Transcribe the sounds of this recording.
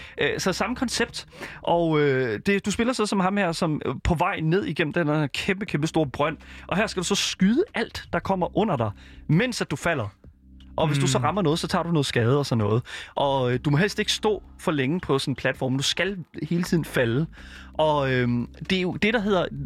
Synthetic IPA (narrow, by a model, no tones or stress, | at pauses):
ʔsɒ̥̽sɑ̈məkʰɒ̽nseb̥̚d̥ | ʔɒød̥e̝d̥usb̥e̝lɐsɒ̽sɒ̽mɦɑ̈mhæɐsɒ̽mpʰɒ̽ʋɑ̈ɪ̰ne̝ð̞̰ˠiɡ̥em̰m̩d̥eneɐkʰemb̥əkʰemb̥əsd̥o̝ːɐb̥ʁɶn̰ʔɒ̽ɦæɐ̰sɡ̥æd̥usɒ̽sɡ̥yðˠəʔæl̰d̥ɑ̈kʰɒ̽m̰ɐʔɔ̽n̰ɐd̥ɑ̈ɪmen̰sæd̥ufæl̰ɐ | ʔɒ̽ʋe̝sd̥usɒ̽ʁɑ̈mɐnɔːðˠsɒ̽t͡sʰɑ̈ːd̥unɔ̽ːð̩sɡ̥ɛːð̞̩ˠɒsɒ̽nːɔ̽ːð̩ˠʔɒ̽d̥umɒ̽ɦel̰sd̥e̝ɡ̥əsd̥ɔ̰̽ːfɒ̽leŋəpʰɒ̽sɒ̽n̩pʰlæd̥fɒ̰ːmd̥usɡ̥ælhe̝ːlət͡sʰiðˠn̩fæləʔɒ̽ømd̥e̝jod̥e̝ɾ̥ɑ̈ɦe̝ð̞̰ˠɐ